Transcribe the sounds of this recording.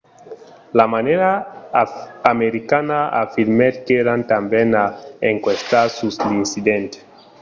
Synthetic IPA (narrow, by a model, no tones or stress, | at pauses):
lamaneɾa | meɾikanaafiɾmet̪keɾant̪ambɛnaeŋkwest̪asuslinsid̪ɛnt̪